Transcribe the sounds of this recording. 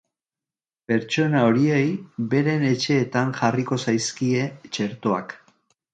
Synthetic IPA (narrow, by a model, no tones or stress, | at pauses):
pe̞ɾt͡ʃo̞nao̞ɾie̞jbe̞ɾe̞ne̞t͡ʃe̞ːt̪anʝariko̞sajskie̞t͡ʃe̞ɾt̪o̞a̰k